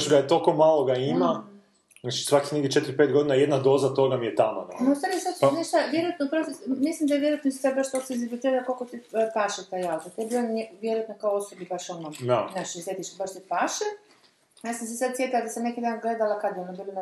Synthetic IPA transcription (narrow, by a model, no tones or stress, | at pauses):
ʃɡajet̪okomːalˠoɡaima | znat͡ʃi̥sʋakixnek̪ʲit͡ʃe̞t̪iɾipet̪̚ɡod̪inajed̪nad̪o̞ːzat̪o̞ɡamijet̪amo̰d̪a̰naust̪aɾijesad̪neʃt̪aʋjeɾojat̪nopɾosmislimd̪ajeʋjeojat̪nosi̥sad̪baʃt̪oseinzibilit̪iɾalakolkot̪ipaʃet̪ajalt̪at̪iebioʋjeɾojat̪nokaoosobibaʃonod̪anaʃiset̪iʃt̪baʃt̪ipaːʃe | jaːsamsesad̪sje̞t̪ilad̪asamnekid̪aːnɡle̞d̪alakad̪jonobilina